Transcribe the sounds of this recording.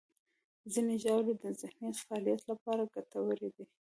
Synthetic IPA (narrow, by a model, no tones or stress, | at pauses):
zineʒawled̪əzɪhnjat̪faɑlijat̪lapɑɾaɡat̪awəɾed̪i